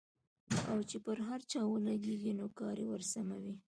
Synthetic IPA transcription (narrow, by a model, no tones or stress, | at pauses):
a̰wt͡ʃepəɾɦaɾt͡ʃɑwəlaɡeɡinokɑɾewəɾsamawi